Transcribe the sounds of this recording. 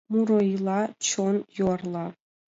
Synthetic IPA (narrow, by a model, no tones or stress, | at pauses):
muɾoilˠɑt͡ɕonjorlˠɑ